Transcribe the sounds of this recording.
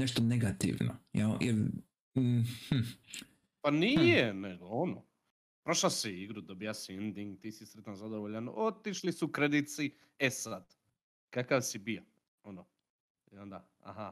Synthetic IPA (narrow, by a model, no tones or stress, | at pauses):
neʃt̪oneɡat̪ḭʋno̰jajɛɾ | panijeneɡloono̰ | pɾoʃlasiiɡɾud̪obijasiend̪iŋɡt̪iːsisɾet̪anzad̪oʋoʎanot̪iʃlisukɾed̪it̪si | esad̪̥ | kakaʋsibija | ono | ad̪a | a̰ha